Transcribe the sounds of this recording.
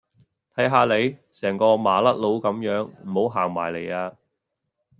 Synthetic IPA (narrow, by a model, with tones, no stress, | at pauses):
t̪ʰɐ˨˥jɦaː˨˧le˨˧jsɛː˨˩ŋkɔː˧maː˨˩lɐ˥t̚lo˨˥wkɐ˨˥mjœː˨˥ŋm̩˨˩ho˨˥wɦaː˨˩ŋmaː˨˩jle˨jaː˧